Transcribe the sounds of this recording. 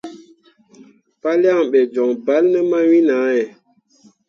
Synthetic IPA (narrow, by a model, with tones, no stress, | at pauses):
pa˦lja˦˨ŋɓɛ˨d͡ʒɔ˨ŋba˨˦lnə˦ma˦wi˦na˨˦jɛ˨